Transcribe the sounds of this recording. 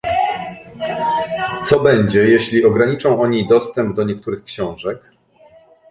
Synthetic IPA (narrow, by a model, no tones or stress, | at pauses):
t̪sɔbɛɲd͡ʑɛjeɕlʲiɔɡɾaɲit͡ʂɔ̃w̃ɔɲid̪ɔst̪ɛmb̚d̪ɔɲɛk̚t̪uɾɘxkɕɔ̃w̃ʐɛk